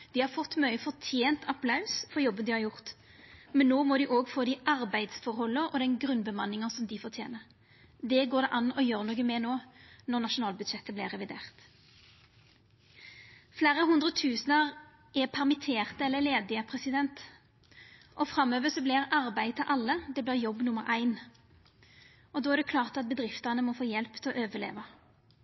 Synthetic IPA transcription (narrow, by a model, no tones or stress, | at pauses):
d̪̥iːhɑʁfɔt̪ːmœʏəfɔʁt̪ʰjeːnt̪ʰɑpʰlɑʉsfɔʁjɔbːənd̪ɪhɑʁjʊʁt̪ | mɛnːoːmɔd̪ɪʔoːɡfoːd̪ɪʔɑʁbæɪd̪sfɔʁhɔlːəɔd̪ɛnɡʁʉnbəmɑnːɪŋɑsɔmd̪ɪfɔʁt̪ʰjḛːnəʁ | d̪ɛɡoːʁd̪ɛʔɑnːɔjøːʁnuːɡəmɛnoːnɔʁnɑʃʊnɑːlbʉd̪ʃɛt̪ːəblɪʁɛʋɪd̪ḛːʁt̪ | flæːʁəɦʉnd̪ʁət̪ʰʉːsnəʁ | ɛpʰæʁmɪt̪ʰeːʁt̪əɛlːəleːd̪ɪəpʰʁɛsɪd̪ɛnt̪ | ʔɔfʁɑmøːʋəsɔblɪːʁɑʁbæɪt̪ʰɪlʔɑlːəd̪ɛblɪːʁjɔbːnʊməɾʔæɪn | ɔd̪oːæʁd̪ɛkʰlɑːʁt̪ɑt̪̚bəd̪ɾɪft̪ənəmɔfoːjɛlpt̪ʰɪlɔʔøːʋəlḛːʋɑ